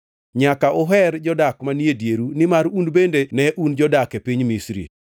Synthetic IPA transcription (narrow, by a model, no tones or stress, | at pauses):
ɲakaʔɔɦɛrd͡ʒɔdakmanjedjeɾunɪmaɾundbendenɛʔund͡ʒɔdakepiɲmisɾḭ